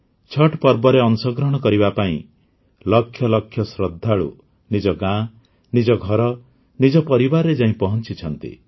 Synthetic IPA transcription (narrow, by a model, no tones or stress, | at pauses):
t͡ʃʰɔʈpɔɾbɔɾeɔnsɔɡɾɔɽ̃ɔkɔɾiβapaḭ̃ | lɔkʰːjɔlɔkʰːjɔsɾɔd̪ʱːaɭṵ | nid͡ʒɔɡã | nid͡ʒɔɡʱɔɾɔ | nid͡ʒɔpɔɾibaɾːed͡ʒaɦĩpɔɦɔnt͡ʃit͡ʃʰɔnt̪ḭ